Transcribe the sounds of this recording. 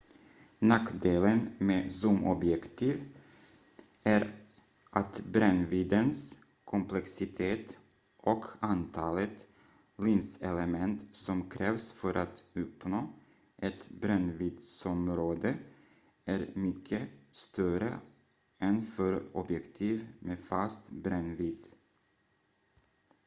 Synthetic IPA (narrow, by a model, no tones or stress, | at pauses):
nakːd̪eːlənmeːsumʔɔbjɛkt̪ʰiːv | æɾ | ʔat̪bɾɛnviːd̪əns | kʰɔmplɛksɪt̪ʰeːt̪ | ʔɔkʰant̪ʰɑːlət̪ | linsɛləmɛnt̪sɔmkʰɾɛːvsfœɾʔat̪ɵpnoː | ʔɛt̪bɾɛnviːd̪sɔmɾoːd̪ə | æɾmʏkʰːəst̪œɾə̰ | ɛnfœɾɔbjɛkt̪ʰiːvmeːfast̪bɾɛnviːd̪